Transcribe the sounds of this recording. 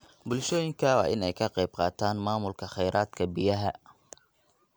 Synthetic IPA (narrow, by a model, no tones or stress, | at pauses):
bʊlʃɔːjɪŋkʰɐwɑ̰ːʔɪnɛjkʰɐqɛjb̚qɑːt̪ʰaːnmaːmʊlkʰɐχɛjɾaːd̪kʰɐbɪjɐɦɐ